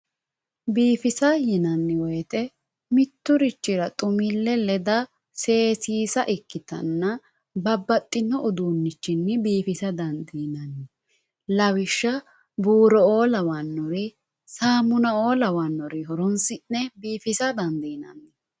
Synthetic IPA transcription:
biːfɪsɐjɪnɐnːɪwɔjt̪ʼɛ | mɪt̪ːʊɾɪt͡ʃːɪɾɐt̪ʼʊmɪlːɛlɛd̪ɐ | se̞ːsiːsɐʔɪkːɪt̪ɐ̰nːɐ | bɐbːɐt̪ʼːɪnːɔʔʊd̪uːnːɪt͡ʃːɪnːɪbiːfɪsɐd̪ɐnd̪iːnɐnːɪ | lɐwɪʃːɐ | buːɾɔoːlɐwɐnːɔɾɪ | saːmʊnɐoːlɐwɐnːɔɾɪɦɔɾɔnsɪnːɛbiːfɪsɐd̪ɐnd̪iːnɐ̰nːɛ

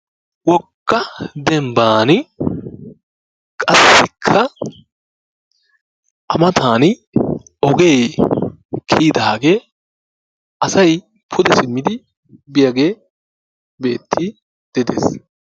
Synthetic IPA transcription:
wɔkːɐd̪ɛmbaːnɪ | kʼɐsːɪkʰːɐ | ʔɐmɐt̪ʰaːn | ɔɡeː | kʰiːd̪aːɡe̞ː | ʔɐsɐj | pʰʊd̪ɛsɪmːɪd̪ɪ | bɪjɐɡe̞ː | be̞ːt̪ʰːi | d̪̥ɛd̪ḛːs

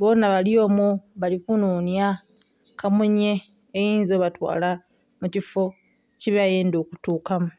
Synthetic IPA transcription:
βonaβalio̞ːmuβalikunuːnja | kʰamuɲeː | jiːnzoβatwa̰ːla | mucifo | ciβjajeːndo̞ːkutuːkamu

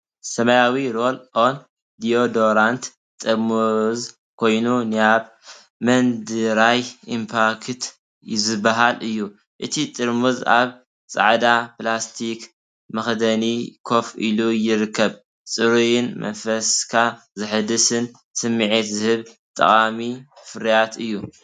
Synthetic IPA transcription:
sɐmɐjawiɾo̞lʔon | d̪io̞d̪oɾant̪ | t̪ʼɨɾmuz | kʰo̞jnunɨaβ | mɐnd̪ɨɾajimpʰaɾkt̪ | zɨbːaɦalʔɨjːu | ʔɨt̪ʰit̪ʼɨɾmuza̰β | t͡sʼa̰ʕd̪aplast̪ʰik | mɐxd̪ɐnikʰo̞fḭlujɪɾɨkʰːɐβ | t͡sʼɨɾujɪnmɐ̰nfɐskʰa | zɨħɨd̪ɨsɨn | sɨmːiʕit̪zɨhɨβ | t̪ʼɐ̰χʼamifɨɾijat̪ɨjːu

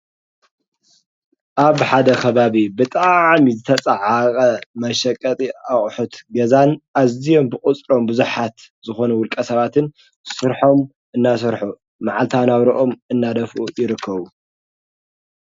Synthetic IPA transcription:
ʔaβħad̪ɐkʰɐβaβibɨt̪ʼaʕmizɨt̪ʰɐt͡sʼaʕakʼɐmɐʃɐkʼːɐt̪ʼiaχʼħut̪ɡɐzanʔazijo̞mbɨkʼʊt͡sʼɾo̞mbɨzuħat̪zɨxo̞nuwʊlkʼɐsɐβat̪ʰɨn | sɨɾħo̞m | ʔɨnːas̬ɨɾħu | maʕalt̪ʰanaβɾiʔo̞mɨnːad̪ɐfʔṵjɪɾɨkʰːɐβu

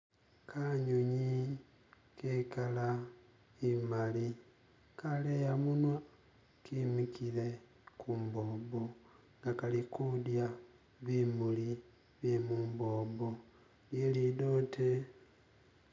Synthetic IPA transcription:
kʰaɲuɲi | kekala | imali | kalejamunwa | kimikile̞ | kʰuːmboːbo | ŋɡakalikudja | βimuli | βjemuːmboːbo | ljelidotʰe

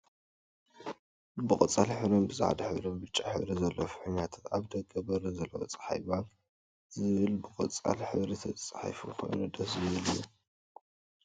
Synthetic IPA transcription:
bɨkʼɐt͡sʼalħɨβlombɨza̰ʕd̪ɐħɨ̰βlombɨt͡ʃʼːaħɨβɾizɐlːɐfħɨnat̪ʰat̪aβd̪ɐɡɐbɐɾɐzɐlːɐwot͡sʼɐ̥ħa̰jβan | zɨβɨlbɨkʼɐt͡sʼːa̰lħɨβɾit̪ʰɐt͡sʼħa̰jfukʰo̞̰jnud̪ɐsɨβɨlɨjːu

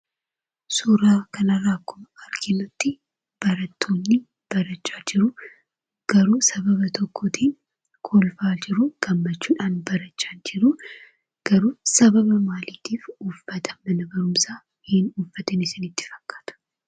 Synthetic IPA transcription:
suːɾaːkɐnɐrːaːkːʊmɐɐɾkʰɪnɔt̪ːɪ | b̥ɐɾɐt̪ʰːoːnːɪ | b̥ɐɾɐt͡ʃʼːaːd͡ʒɪɾʊ | ɡ̥ɐɾuːsɐbɐβɐt̪ʰɔkʰːɔt̪ʰiːn | kʰolfaːd͡ʒɪɾʊɡ̥ɐmːɐt͡ʃːuːᶑaːnbɐɾɐt͡ʃːaːnd͡ʒɪɾu | ɡ̥ɐɾuːsɐbɐbɐmaːliːt̪iːfufːɐt̪ʰɐ̥mɐnɐbɐɾʊmsaː | hɪnuːfːɐt̪ɪnɪsɪnɪt̪ːɪ̥fɐ̥kʼːḁt̪ʊ̥

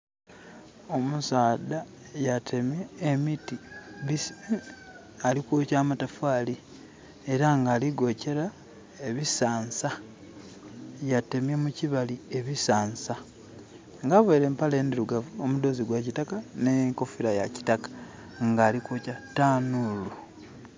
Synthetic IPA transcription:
o̞musaːda | jatʰe̞mjeːmitiβis | alikocaːmatafaːli | eɾaŋɡaːliɡo̞ce̞ɾa | eβisaːnsa | jate̞mjemuciβalie̞βisaːnsa | ŋɡaːβoiɾe̞ːmpale̞ːndiɾuɡavuo̞mud̪o̞ziɡwacitakaneŋko̞fiɾajaci̥takḁ | ŋɡaːlikoːcataːnulu

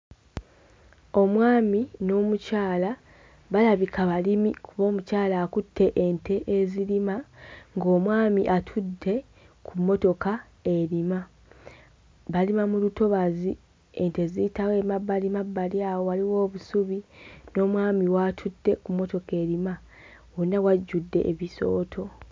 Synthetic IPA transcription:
o̞mwaːmino̞ːmucaːla | βalaβikʰaβalimikuβo̞ːmucaːlaːkutʰːe̞ʔentʰe̞ʔezilimaŋɡo̞ːmwaːmiʔatʰudːe̞ | kʰumːo̞to̞ka | e̞ɾima | βalimamuluto̞βazi | e̞nte̞zitawe̞mabːalimabːaljaːwowaliwo̞ːβusuβino̞ːmwaːmiwatʰudːe̞kumːo̞to̞ke̞ɾima | wonawaɟːudːe̞̰ʔːβiso̞ːtʰo̞

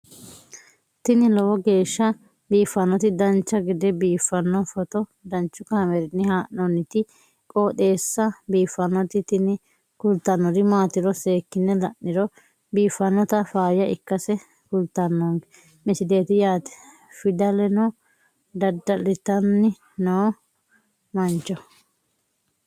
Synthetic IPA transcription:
t̪ɪnɪlɔwɔɡe̞ːʃːɐ | biːfːɐnɔt̪ɪd̪ɐnt͡ʃːɐɡɪd̪ɛbiːfːɐnːɔfɔt̪ɔd̪ɐnt͡ʃːʊkɐhɐmɛɾɪnːɪhaːʔnɔnɪt̪ɪ | kʼoːt̪e̞ːsːɐbiːfːɐnɔt̪ɪt̪ɪnɪ | kʊlt̪ːɐnːɔd̪ɪmaːt̪ɪɾɔseːkːɪnːɛlɐʔːɪɾɔ | biːfːɐnːɔt̪ɐfaːjɐɪkːɐsɛ | kʊlt̪ːɐnːoŋɡɛ | mɪsɪd̪e̞ːt̪ɪjaːt̪ɛ̥ | fɪd̪ɐlɛnɔ | d̪ɐd̪ːɐlɪt̪ɐnːɪ | noː | mɐnt͡ʃːɔ

